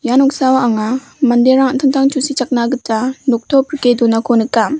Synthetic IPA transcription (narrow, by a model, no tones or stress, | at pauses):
janɔksawaaŋa | mandeɾaŋatʰɯŋtʰaŋt͡ʃusit͡ʃak̚naɡɯtanok̚tʰɔpʰɾkedunakʰonɯkːam